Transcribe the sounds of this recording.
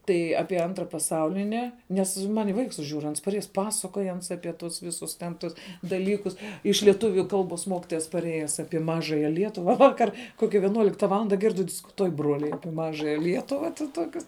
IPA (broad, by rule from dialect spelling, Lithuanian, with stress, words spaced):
ˈtɐɪ ˈɑːpʲiɛ ˈɐntrɐ pɐˈsɐʊlʲɪnʲɪ nʲˈɛs ˈmɐnʲ ɪ ˈʋɐɪks ˈʒʲuːrʊ ˈɐns ˈpɑːsɐkoːj ˈɐns ˈɑːpʲɪ ˈtʊs ˈʋʲɪsʊs tʲɛn ˈtʊs dɐˈlʲiːkʊs ɪʃ lʲiɛˈtʊʋʲʊ ˈkɐlˠboːs ˈmoːkʲɪtoːjɛs pɐˈrʲeːjɛs ˈɑːpʲiɛ ˈmɑːʒɐjɛ ˈlʲiɛtʊʋɐ ˈʋɑːkɐr ˈkoːkʲɛ ʋʲiɛˈnuɔlʲɪktɐ ˈʋɑːlˠɐndɐ ˈɡʲɪrʲdʲɪ dʲɪskʊˈtuɔj ˈbruɔlʲɛɪ ˈɑːpʲiɛ ˈmɑːʒɐjɛ ˈlʲiɛtʊʋɐ ˈtoːkʲʊs